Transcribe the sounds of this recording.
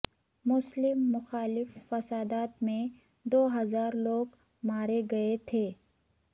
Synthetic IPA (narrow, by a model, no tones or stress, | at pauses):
mʊslɪmːʊxaːlɪfːɐsaːd̪aːt̪mẽ | d̪oːɦɐzaːɾloːɡ | maːɾeɡɐet̪ʰeː